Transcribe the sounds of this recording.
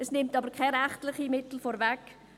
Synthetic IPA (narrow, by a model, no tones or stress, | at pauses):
ɛsnɪmtɑbəɾkʰaɾɛχtlɪχimɪtl̩fɔːɾvɛk